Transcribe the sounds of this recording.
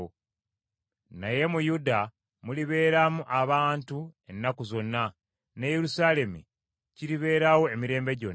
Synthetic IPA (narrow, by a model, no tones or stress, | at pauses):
naje̞mujuda | muliβe̞ːɾamuʔaβaːntue̞nːakuzo̞nːa | nejeɾusaːle̞mi | ciɾiβe̞ːɾawo̞emiɾe̞ːmbe̞ɟo̞n